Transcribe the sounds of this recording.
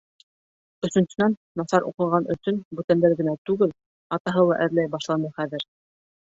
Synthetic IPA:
ɵ̆sɵ̆nsɵ̆nænːɑθɑɾʔṵqɤ̆ʁɑnɵ̆sɵnbʉt̪ænd̪æɾɡɘ̆næt̪ʉɡɘl | ɑt̪ɑɦɤlˠɑʔɘ̆ɾlæjbɑʃlˠɑnɤχæðɘɾ

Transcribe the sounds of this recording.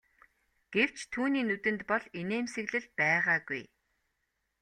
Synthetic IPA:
ɡ̥ew̥t͡ɕt̪ʰuːniːnut̪ɘ̆nt̪pɔɮeneːmsĕɣɮɘ̆ɮpæːʁaːɡuj

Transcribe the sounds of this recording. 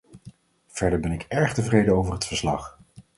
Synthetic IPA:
v̥ɛɹdəɹbɛnɪkɛɹχtəvrejdəowvərɦətfəɹslɑ̰χ

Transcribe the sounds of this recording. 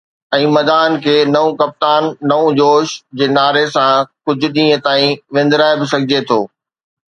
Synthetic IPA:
ɛ̃ːmɐd̪aːnkʰeːnɐũkɐp̚t̪aːnːɐũd͡ʑoːʃd͡ʑeːnaːɾesãkʊd͡ʑʱʊ̆ɗĩːə̃t̪aːĩʋẽːn̆d̪ɾaːebɪsɐɡʱɪd͡ʑet̪ʰoː

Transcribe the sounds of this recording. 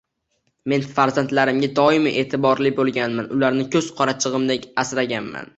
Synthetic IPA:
me̞nfaɾzant̪laɾɪmɡʲad̪ɒɪmɪʔeːt̪ʰɪbɒɾlɪbolˠɡʲanmanʊlaɾnɪkʲʰɵz̥qʰɒɾat͡ʃʰɨʁɨmd̪ekʲasɾaɡʲanma̰n

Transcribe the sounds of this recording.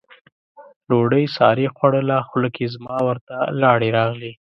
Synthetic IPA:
loɽəjsɑɾixwaɽəlaxʊləkʰezmɑwəɾt̪alɑɽeɾɑɣli

